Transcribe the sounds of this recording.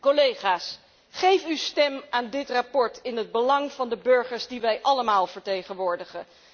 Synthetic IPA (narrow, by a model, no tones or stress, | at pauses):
kolejχaːs | χejfystɛmaːndɪtrapɔɹtɪnɦəd̚bəlɑŋv̥ɑndəbɵɹχəɹzdiʋɛjʔɑləmaːlˠvəɹtejχənʋʊːɹdəχə